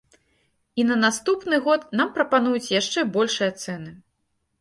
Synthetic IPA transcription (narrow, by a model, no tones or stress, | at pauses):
inɐnast̪upnɨɣɔt̪nampɾɐpanujut͡sʲjaʂt͡ʂɛbɔlʲʂɨjɐt̪sɛnɨ